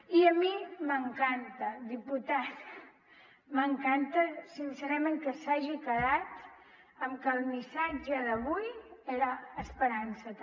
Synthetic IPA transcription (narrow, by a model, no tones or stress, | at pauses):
iəmiməŋkant̪əd̪iput̪at̪ | məŋkant̪əsinseɾəmẽŋkəsaʒikəðat̪ | əmkəlˠmisad͡ʒəðəβujeɾəːspəɾansə